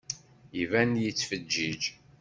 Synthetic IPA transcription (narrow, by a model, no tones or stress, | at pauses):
ivænjit͡sːfəd͡ʒːid͡ʒ